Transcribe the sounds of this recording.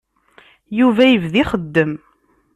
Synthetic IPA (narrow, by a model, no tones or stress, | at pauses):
juvæjəvðiχəd̪ːəm